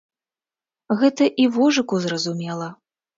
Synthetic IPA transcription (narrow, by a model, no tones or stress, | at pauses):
ɣɛt̪ɐʔivɔʐɨkuzrɐzumʲɛlˠɐ